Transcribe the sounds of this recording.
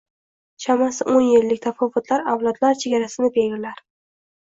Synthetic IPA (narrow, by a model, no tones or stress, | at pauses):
ʃʰamasɪʔonjɪlːɪk̚ʲt̪ʰafɒvːʊt̪ʰlaɾawlˠɒd̪laɾt͡ʃʰe̞ɡʲaɾasɪnɪbeɪlaɾ